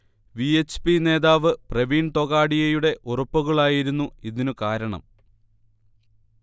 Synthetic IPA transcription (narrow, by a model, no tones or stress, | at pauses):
ʋiet͡ɕpine̞ːðaːʋɨpreʋiːnt̪o̞ɣaːɽijɐjuɽe̞ʔurɐpːuɣɐɭaːjiɾunːuiðinukaːɾɐɳɐ̰m